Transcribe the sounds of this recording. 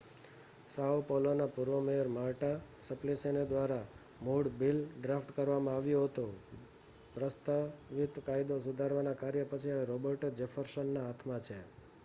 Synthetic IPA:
sawpɔlonapuɾʋəmejəɾmaɭʈasəplesened̪ʋaɾa | muɽbilɖɾafʰʈkəɾʋamãaʋjõɦət̪o | pɾəst̪aʋit̪kajd̪osʊd̪ʱaɾʋanakaɾjəpət͡ʃʰiaɾobəɾʈd͡ʒefʰəɾsənːaːt̪ʰmat͡ʃʰe

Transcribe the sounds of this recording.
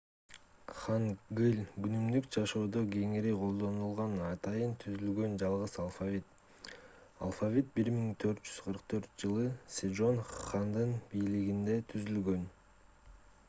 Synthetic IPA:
χɑnɡɯlʲɡynymd̪ykd͡ʒɑʃoːd̪oɡe̞ŋiɾiqʰo̞lˠd̪o̞nulˠʁɑnɑt̪ɑjɯnt̪ʰyzylɡø̞nd͡ʒɑlˠʁɯzalˠfavʲit̪ | a̰lˠfavʲit̪̚biɾmiŋt̪ʰø̞ɾt̪̚d͡ʒyz̥qʰəɾqt̪ʰø̞ɾt̪̚d͡ʒɯlˠɯsʲed͡ʒo̞nχand̪ɯnbijliɡind̪e̞t̪ʰyzylɡø̞n

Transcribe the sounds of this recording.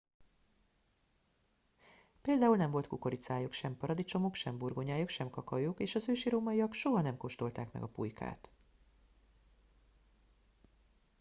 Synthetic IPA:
peːld̪aːulnɛɱvo̞lt̪kuko̞ɾit̪saːjokʃɛmpɒɾɒd̪it͡ʃo̞mokʃɛmburɡoɲaːjokʃɛmkɒkɒjokeːʃɒzøːʃiɾoːmɒijɒkʃo̞ɦɒnɛmko̞ʃt̪o̞lt̪a̰ːkmɛ̰ɡɒpṵjkʰa̰ːt̪

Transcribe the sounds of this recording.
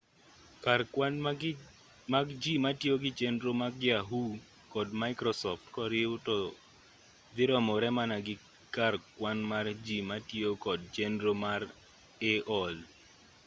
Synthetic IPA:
karwan | maɡd͡ʒimatjoɡɪt͡ʃendɾomaɡjaɦu | kɔdmaɪkɾɔsɔftkɔɾɪʊto | d̪ɪɾɔmɔɾɛmanaɡɪ | karkwanmard͡ʒimatjokɔdt͡ʃendɾomaɾ | eʔɔl

